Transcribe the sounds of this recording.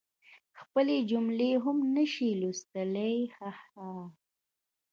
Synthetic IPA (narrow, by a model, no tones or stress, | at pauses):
xpəled͡ʒʊmleɦʊmnəʃilust̪əlejhaha